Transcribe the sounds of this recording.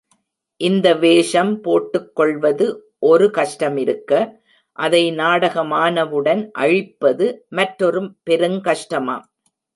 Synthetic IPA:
ʔɪnd̪ɐʋeːʂɐmpoːʈːɯkːɔɭʋɐðɯʔɔɾɯkɐʂʈɐmɪɾɯkːɐ | ʔɐðɐɪnaːɽɐɣɐmaːnɐʋɯɽɐnʔɐ̰ɻɪpːɐðɯmɐʈɾɔɾɯmpɛɾɯŋkɐʂʈɐma̰ː

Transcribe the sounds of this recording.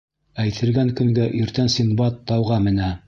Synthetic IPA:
æjt̪ʰɘ̆lɡæŋkɵ̆ŋɡæʔiɾt̪ænsʲimbɑt̪ːɑwʁɑmɘ̆næ

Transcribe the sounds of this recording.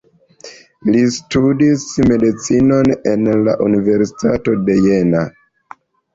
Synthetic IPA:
listudisme̞dit͡sino̞ne̞nla̰ʔunive̞ɾsi̥tato̞de̞je̞na

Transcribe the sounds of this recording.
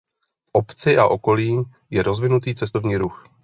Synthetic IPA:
fʔo̞pt͡sɪʔaʔo̞ko̞liːm | jɛɾo̞zvɪnut̪iːt͡sɛst̪o̞vɲiːɾux

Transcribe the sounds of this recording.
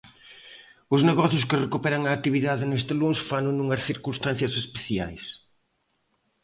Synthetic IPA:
ʊzneɣɔθjʊskɪrekupɛɾɐŋɐːt̪iβiðaðɪnest̪ɪlũnsfanunuŋɐsθiɾkunst̪ãn̟θjɐsespeθja̰js

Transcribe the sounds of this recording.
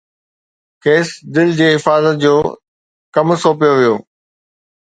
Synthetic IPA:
keːsd̪ɪld͡ʑeːɦɪfaːzət̪̚d͡ʑoː | kɐmsoːpijoʋijoː

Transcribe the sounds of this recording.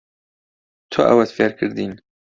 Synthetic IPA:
t̪ʰʊʔɛ̰wɛt̪feɾkʰɨɾd̪iːn

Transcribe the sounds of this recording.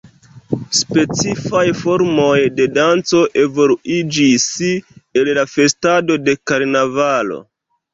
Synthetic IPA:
spe̞t͡sifajfo̞ɾmo̞jde̞dant͡so̞ʔe̞vo̞luid͡ʒisellafe̞stado̞de̞kaɾnavalo̞̰

